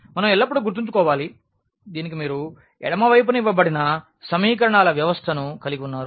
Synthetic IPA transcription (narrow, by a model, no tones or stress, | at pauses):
mɐnɐmɛlːɐp̬ːuɽuɡuɾt̪iɲt͡ʃukɔːʋaːli | d̪iːnik̬imiːɾu | ɛ̰ɽɐmɐʋɐjp̬uniʋːɐbɐɽinɐ | sɐmiːkɐɾɐɳaːlɐʋjɐʋɐst̪ʰɐnukɐliɡiunːaːɾu